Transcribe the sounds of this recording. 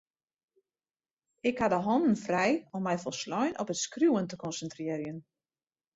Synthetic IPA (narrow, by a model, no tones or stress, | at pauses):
ɪkhadəɦɔndn̩frɛjɔmːɛjfɔlˠslɔjnɔpətskrjuwəntəkɔnsəntrɪəɾjən